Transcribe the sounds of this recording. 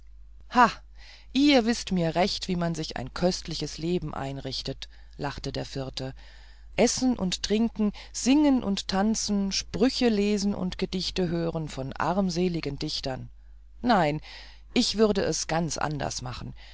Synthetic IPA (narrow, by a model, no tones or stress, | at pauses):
ha | ʔiːɐvɪstmiːɐʁɛçtv̥iːmanzɪça̰ɪnkʰœstlɪçəsleːbm̩ʔa̰ɪnʁɪçtət | laχtədeːɐfɪɐtə | ʔɛsn̩ʔʊ̰nttʁ̥ɪŋkŋ̩z̥ɪŋənʔʊ̰nttʰant͡sn̩ʃpʁ̥ʏçəleːzn̩ʔʊ̰ntɡ̥ədɪçtəɦøːʁənfɔnʔa̰ʁmzeːlɪɡəndɪçtɐnː | aɪn | ʔɪçv̥ʏɐdəʔɛsɡ̥ant͡sʔa̰ndɐ̰sma̰χn̩